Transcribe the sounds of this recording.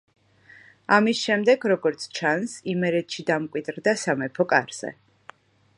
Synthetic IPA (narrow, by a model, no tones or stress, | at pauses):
amisʃɛmd̪ɛɡɾɔɡɔɾt̪sʰt͡ʃʰansimɛɾɛt̪ʃid̪amkʼwid̪ɾd̪asamɛpʰɔkʼa̰ɾz̥ɛ̰